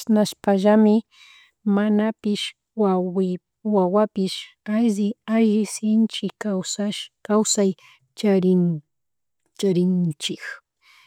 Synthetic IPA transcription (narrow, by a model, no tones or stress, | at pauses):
ʃnaʃpaʒamɪ | manapɪʃ | waɪ | wawapɪʃaʒɪaʒɪsɪnt͡ʃɪkawsaʃkawsaj | t͡ʃaɾɪn | t͡ʃaɾɪnt͡ʃɪk